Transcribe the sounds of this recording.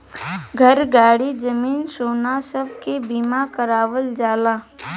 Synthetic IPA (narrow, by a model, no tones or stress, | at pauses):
ɡʱəɾɡaːɽid͡ʒəmiːnsoːnasəbkebiːmakəɾaːwəld͡ʒaːlaː